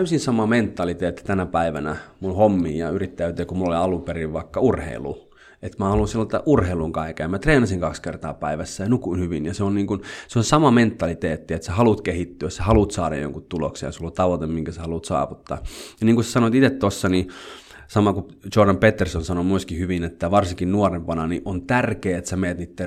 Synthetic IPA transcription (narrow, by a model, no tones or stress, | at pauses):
æysinsɑmɑment̪ːɑlit̪eːt̪ːi̥t̪ænæpæiʋænæmunhomːḭːjɑyrit̪ːæyt̪eːkumulːoliɑluperiʋʋɑikːɑurhḛilṵ | et̪mæhɑlunsilːot̪ːɑ̰ʔurheiluŋkɑikejɑmæt̪reːnɑsiŋkɑkskert̪ɑ̰ːpæiʋæsːæjɑnukunhyʋinjɑseonniːŋkunseonsɑmɑment̪ːɑlit̪eːt̪ːiet̪sæhɑlut̪kehit̪ːyæssæhɑlut̪sɑːɾɑ̰jjo̰ŋkut̪t̪ulo̰ksḛjɑ̰sulːot̪ɑʋot̪emmiŋkæsehɑlut̪sɑ̰ːʋut̪ːɑ̰ːjɑniːŋkusæ̥sɑnoit̪it̪et̪t̪osːɑni | sɑmɑkut͡ʃordɑmpet̪ːersonsɑnomueskihyʋinet̪ːæʋɑrsiŋkinnuorempɑnɑniʔont̪ærkeːet̪sæmeːt̪niːt̪ːe